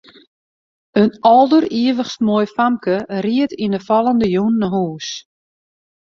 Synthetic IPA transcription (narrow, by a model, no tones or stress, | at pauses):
ənɔlˠdəriəʋəχstmoːjfamkəriətʰindəfɔlˠəndəjunːəɦuːs